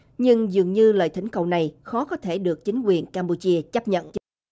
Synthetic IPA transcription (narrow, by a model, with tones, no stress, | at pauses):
ɲɨ˧ŋzɨ˨˩əŋɲɨ˧lə̰ː˧˨jt̪ʰï˧˩˦ŋ̟kə˨˩wna˨˩jxɔ˨˦kɔ˨˦t̪ʰe˧˩ɗɨ˨˩ək̚t͡ɕï˨˦ŋ̟kwi˨˩ənkaː˧mpu˧˩t͡ɕi˧ət͡ɕə˦˥p̚ɲə̰˧˨nʔ